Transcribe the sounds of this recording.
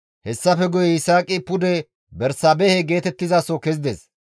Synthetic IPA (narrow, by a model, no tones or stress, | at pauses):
hɛsːɐfɛɡʊjɛɪsaːkʼːɪpʊd̪ɛ | bɛɾsɐbɛhɛɡe̞ːt̪ɛt̪ːɪzaːsokɛzɪd̪ɛs